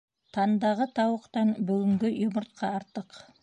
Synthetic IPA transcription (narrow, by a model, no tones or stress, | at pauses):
t̪ʰɑnd̪ɑʁət̪ʰɑwəqt̪ɑnbʏɡʲɪŋɡʲɪjoməɾt̪̚qʰɑɑɾt̪ːəq